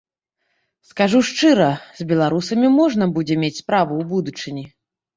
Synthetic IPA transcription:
skaʐuʂt͡ʂɨɾɐz̥ʲbʲɛlˠaɾusɐmʲimɔʐnɐbud͡zʲɛmʲet͡sʲspɾavuːbud̪ut͡ʂɨnʲi

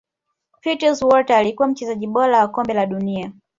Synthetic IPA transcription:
pitəzwɔtaːlikuwam̩t͡ʃɛzaʄiɓɔɾawakɔmbɛlaɗunia

